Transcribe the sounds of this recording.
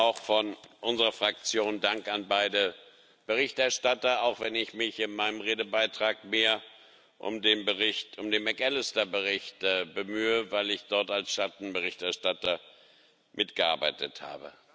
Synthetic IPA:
ʔaʊxfɔnʔʊnzəʁɐfʁ̥ak̚t͡sjoːndaŋkanbaɪdə | b̥əʁɪçtɛɐʃtatɐaʊxv̥ɛnɪçmɪçɪnmaɪnəmʁeːdəbaɪtʁ̥aːkmeːɐ | ʔʊ̰mdeːnbəʁɪçtʔʊmdeːnmɛkɛlɪstɐbəʁɪçtːbəmyːəvaɪlɪçd̥ɔɐtalsʃat̚n̩bəʁɪçtɛɐʃtatɐ | mʔɪtɡ̥əʔa̰ɐbaɪtʰətha̰ːbə̰

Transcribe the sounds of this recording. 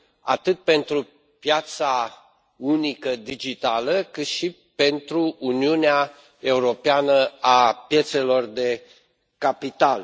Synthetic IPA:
a̰t̪ɨt̪̚pe̞nt̪ɾu | pjat̪sa | unikəd̪id͡ʒit̪aləkɨt̪ʃi | pe̞nt̪ɾuːniunea | e̞uɾo̞peanəapje̞t̪se̞lo̞rd̪e̞ | kapit̪al

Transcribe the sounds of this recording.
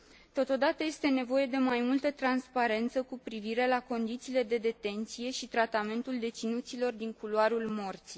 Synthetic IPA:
t̪o̞t̪o̞d̪at̪əje̞st̪e̞ne̞vo̞je̞d̪e̞majmult̪ət̪ɾanspaɾe̞nt̪səkupɾiviɾe̞lako̞nd̪it̪siːle̞d̪e̞d̪e̞t̪e̞nt̪sije̞ʃit̪ɾat̪ame̞nt̪uld̪e̞t̪sinut̪silo̞rd̪iŋkuloaɾulmo̞rt̪si

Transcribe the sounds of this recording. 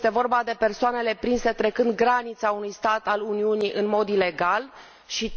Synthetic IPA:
t̪e̞vo̞rbad̪e̞pe̞rsoane̞le̞pɾinse̞t̪ɾe̞kɨnd̪ɡɾanit̪saunujst̪at̪aluniuniʔɨnmo̞d̪ile̞ɡal | ʃi

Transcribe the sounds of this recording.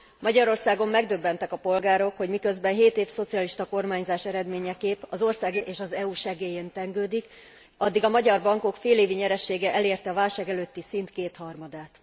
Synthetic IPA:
mɒɟɒɾo̞rsaːɡo̞mːɛɡd̪øbːɛnt̪ɛkɒpo̞lɡaːɾo̞kho̞ɟmikø̞zbɛnɦeːt̪eːfso̞t̪siɒliʃt̪ɒko̞rmaːɲzaːʃɛɾɛd̪meːɲɛkeːpɒzo̞rsaːɡʔeːʃɒzɛuːʃɛɡeːjeːnt̪ɛŋɡøːd̪ik | ɒd̪ːiɡɒmɒɟɒrbɒŋko̞kfeːleːviɲɛɾɛʃeːɡɛʔɛleːrt̪ɛɒvaːlʃaːɡɛløːt̪ːisint̪keːt̪hɒrmɒd̪aːt̪

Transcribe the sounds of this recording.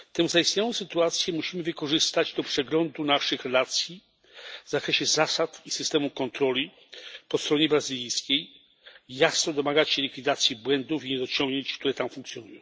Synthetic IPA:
t̪ɛwvzaist̪ɲawɔ̃w̃sɘt̪uat̪sʲjɛmuɕimɘvɘkɔʐɘst̪ad͡ʑd̪ɔpʂɛɡlɔnd̪unaʂɘxɾɛlat̪sʲji | vzakɾɛɕɛzasat̪isɘst̪ɛmukɔnt̪ɾɔlʲi | pɔst̪ɾɔɲɛbɾazɘlʲijskʲej | jasnɔd̪ɔmaɡat͡ɕɕɛlʲikʲfʲid̪at̪sʲjibwɛnd̪ufiɲɛɾɔt͡ɕɔ̃ŋɡɲeɲt͡ɕkt̪uɾɛt̪amfuŋkt̪sʲjɔnujɔ̃w̃

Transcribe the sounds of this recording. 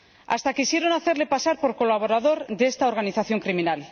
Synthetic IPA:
a̰st̪akisje̞ɾo̞naθe̞ɾle̞pasaɾpoɾko̞laβ̞o̞ɾaðo̞ɾðeest̪aoɾɣ̞aniθaθjo̞ŋkɾimĩnal

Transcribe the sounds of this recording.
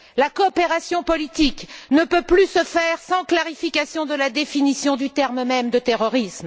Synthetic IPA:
lakɔːpeʁasjɔ̃pɔlit̪iknəpøplysəfɛʁsɑ̃klaʁifikʲasjɔ̃d̪əlad̪efinisjɔ̃d̪yt̪ɛʁmmɛmd̪ət̪eʁɔʁism

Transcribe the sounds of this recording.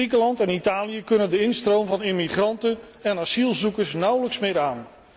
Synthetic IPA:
ikəlɑntɛnitaːlijəkɵnəndəɪnstrowmvɑnɪmiχrɑntən | ɛnasilˠzukəɹsnʌwləksmɪːɾaːn

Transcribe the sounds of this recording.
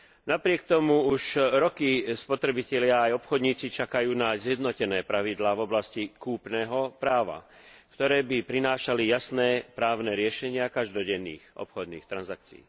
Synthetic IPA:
napɾɪɛk̚t̪ɔmuuʃɾɔkispɔt̪ɾɛbicɛlɪaːjɔpxɔd̪ɲiːt͡sit͡ʃakajuːnazjɛd̪nɔcɛnɛːpɾaʋid̪laːvɔblascikuːpnɛːɦɔpɾaːʋa̰ | kt̪ɔɾɛːbipɾinaːʃalijasnɛːpɾaːʊnɛɾɪɛʃɛɲɪakaʒd̪ɔɟɛnːḭːxʔɔ̰pxɔd̪niːxt̪ɾanzak̚t͡sḭː

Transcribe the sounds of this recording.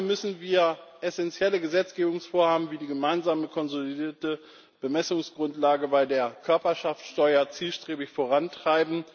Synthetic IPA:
mʏsn̩viːɐʔɛsɛnt͡sjɛləɡəzɛt͡sɡ̥eːbʊŋsfoːɐhaːbm̩viːdiːɡəmaɪnzaːməkʰɔnzolidiːɐtə | b̥əmɛsʊŋsɡ̥ʁʊntlaːɡəbaɪdeːɐkʰœɐpɐʃaft͡sʃtɔʏɐt͡siːlʃtʁ̥eːbɪçfoːʁantʁ̥aɪbm̩

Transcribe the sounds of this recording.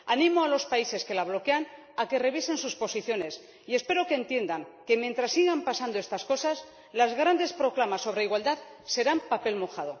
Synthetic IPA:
anĩmoalo̞spaise̞ske̞laβ̞lo̞ke̞an | ake̞re̞βise̞nsuspo̞siθjo̞ne̞s | ie̞spe̞ɾo̞keːnt̪je̞nd̪aŋke̞mjent̪ɾasːiɣampasand̪oe̞st̪asko̞sas | lazɣɾand̪e̞spɾo̞klamasːo̞β̞ɾe̞iɣwald̪að | se̞ɾampape̞lmo̞xaðo̞̰

